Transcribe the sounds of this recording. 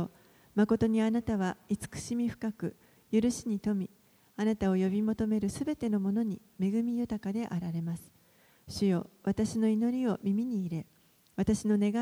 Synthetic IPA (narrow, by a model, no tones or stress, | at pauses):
o | mako̞t̪o̞ɲ̟ianat̪aβ̞ait͡sɨ̥kɯ̟̥ɕimʲiɸɯ̟̥kakɯ̟ | jɯɾɯ̟ɕiɲ̟it̪o̞mʲi | anat̪ao̞jo̞bʲimo̞t̪o̞me̞ɾɯ̟sɨbe̞t̪e̞no̞mo̞no̞ɲ̟i | me̞ɡɯ̟mʲijɯ̟t̪akad̪e̞ʔaɾaɾe̞masɨ̥ | ɕɨjo̞βat̪aɕino̞ino̞ɾʲio̞mʲimʲiɲ̟iːɾe̞ | βat̪aɕino̞ne̞ɡa